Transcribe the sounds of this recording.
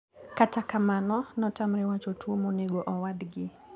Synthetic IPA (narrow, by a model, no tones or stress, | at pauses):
katakamanɔnɔtamɾɛwat͡ʃɔtuomoneɡɔʔɔwadɡɪ